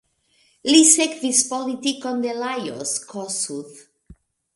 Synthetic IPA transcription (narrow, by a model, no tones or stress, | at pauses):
lisekðispɔlit̪ikond̪elajo̰skʰɔsuθ